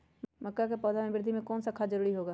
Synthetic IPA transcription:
mɐkːak̬epɔːd̪ʱamẽbɪɾd̪ʱimẽkɔːnsakʰːad͡ʒəɾuːɾiɦoːɡaː

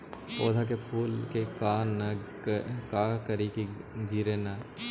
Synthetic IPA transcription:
poːd̪ʱak̬epʰuːlkekaːnːɐ | kaːkəɾikiɡiɾena

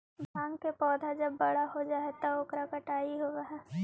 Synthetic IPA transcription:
bʱãːŋɡkepɔːd̪ʱad͡ʒɐbːɐɽ̤aɦod͡ʒaːet̪ooːkɾakɐʈaːiɦoɾaɦɛː

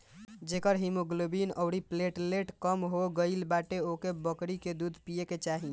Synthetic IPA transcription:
d͡ʒekəɾɦimuɡlobinəɽipleʈleʈkəmɦoɡəɪlbaʈeokebəkɾiked̪ud̪ʱpijeket͡ʃaɦi

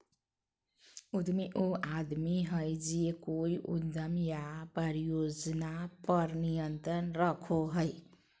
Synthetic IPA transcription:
ud̪meʔoad̪miɦəjd͡ʒiekoiʔṵd̪əmjapɾəɾijod͡ʒnapəɾnijənt̪ɾənɾəkʰoɦəɪ

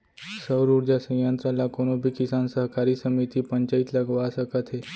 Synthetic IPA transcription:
səwɾuɾd͡ʑasə̃jənt̪ɾalakoɽ̃obʱiːkisansəɦkaɾiːsəmit̪iːpəɲt͡ɕait̪ləɡʋaːsəkət̪ɦe

